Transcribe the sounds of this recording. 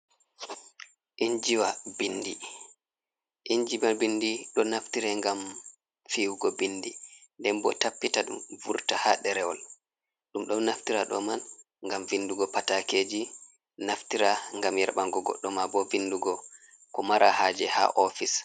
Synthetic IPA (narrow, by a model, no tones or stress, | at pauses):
ʔind͡ʒiwabindi | ʔiɲd͡ʒibanbindiɗɔnaftiɾɛŋɡam | fiwuɡɔbindindɛmbɔ̰tapːitaɗṵmvuɾtahaɗɛɾɛwɔl | ɗumɗɔnaftiɾaɗɔ̰man | ŋɡamvinduɡɔpatakeːd͡ʒi | naftiɾaŋɡamjɛɾɓaŋɡɔɡɔ̰ɗːɔmabɔvinduɡɔ | kɔmaɾahad͡ʒɛha̰ʔɔfis